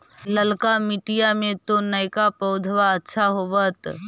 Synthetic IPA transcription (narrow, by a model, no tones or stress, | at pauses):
ləlkamɪʈijamẽt̪onɐjkapəʊd̪ʱʋaɐtːʃʰaɦoʋət̪